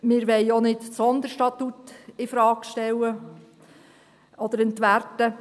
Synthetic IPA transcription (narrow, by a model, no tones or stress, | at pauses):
mɪɾʋɛɪɔnɪtt͡sɔnd̪əɾʃtɑt̪utɪfɾɑːkʃtɛwə | ɔd̪əɾɛnt̪ʋærtə